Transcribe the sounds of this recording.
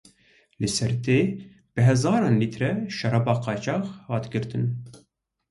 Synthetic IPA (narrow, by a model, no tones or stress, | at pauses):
lɨsɛɾt̪eː | b̥ɨɦɛzɑːɾɑːnliːt̪ɾɛʃɛɾɑbɑːqɑːt͡ʃɑːxhɑːt̪ɡɨɾt̪ɨn